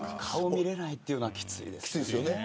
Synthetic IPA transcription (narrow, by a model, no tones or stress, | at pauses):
kʰaomʲiɾe̞nait̪ːejonaakʲʰi̥t͡sɨ̰ḭd̪e̞skʲi̥ɨid̪esjone